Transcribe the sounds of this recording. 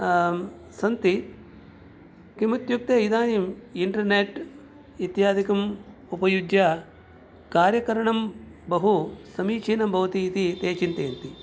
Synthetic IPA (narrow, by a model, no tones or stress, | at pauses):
sɐnt̪i | kimut̪juk̚t̪eːid̪aːnimiɳʈɐɾneːʈ | it̪jaːd̪ʱikɐm | upɐjud͡ʒja | kaːɾjɐkɐɾɐɳɐmbɐɦusɐmiːt͡ʃiːnɐmbʱɐʋɐt̪iːt̪it̪eːt͡ʃint̪eːnt̪i